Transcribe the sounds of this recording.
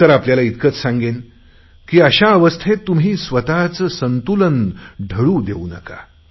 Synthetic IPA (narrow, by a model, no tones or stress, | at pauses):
əɾapljalait̪kət͡ssãŋɡen | kiːəɕaəʋəst̪ʰet̪ːumɦiːsʋət̪at͡səsənt̪ulənɖʱəɽuːd̪euːnə̰ka̰